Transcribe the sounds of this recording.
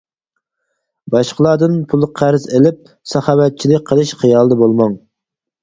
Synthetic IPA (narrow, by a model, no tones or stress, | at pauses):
bɑʃqəlˠɑd̪ɨnpʰulˠqʰæɾzelɪp̚ | sɑχɑːwɛt̪̚t͡ʃʰilɪk̚ʲqʰəlˠɨʃχijɑlˠɨd̪əbolˠmɑŋ